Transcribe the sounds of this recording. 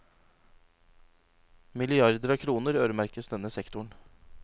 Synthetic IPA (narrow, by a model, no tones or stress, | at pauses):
mɪlɪɑɾd̪əɾɑːkʰɾuːnəɾøːɾəmæɾkəsd̪ɛnəsɛkt̪ʊɳ